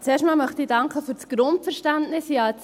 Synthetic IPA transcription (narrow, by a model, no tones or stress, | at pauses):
t͡seːɾʃtmɑːlmœχtiːdɑŋkχəfyɾt͡sɡ̥ɾʊntfɛɾʃtæntnɪsjɑt͡s